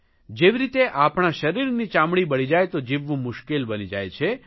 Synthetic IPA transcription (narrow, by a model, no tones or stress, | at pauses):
d͡ʒeʋiɾit̪eʔapɳ̃aʃəɾiɾnit͡ʃãmɽ̃ibəɽ̃id͡ʒajt̪od͡ʒiʋːũmʊʃkelbənid͡ʒa̰jt͡ʃʰe